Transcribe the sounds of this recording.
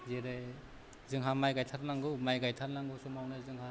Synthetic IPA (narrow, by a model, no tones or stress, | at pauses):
zeɾɯj | zɯŋɦamajɡajtʰaɾnaŋɡɯmajɡajtʰaɾnaŋɡusumawnɯzɯŋha